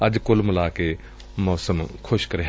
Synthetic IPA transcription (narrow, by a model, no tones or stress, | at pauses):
əd͡ʒkʊlməlaːke | mɔːsəmkʰʊʃkəɾe